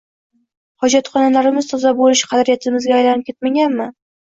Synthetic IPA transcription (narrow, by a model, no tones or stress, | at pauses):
hɒd͡ʒat̪χɒnalaɾɪmɪzt̪ʰɒzabolɪʃqʰɑd̪ɾijat̪ʰɪmɪzɡʲaːjlanɪp̚kʲe̞t̪maɡʲanmɪ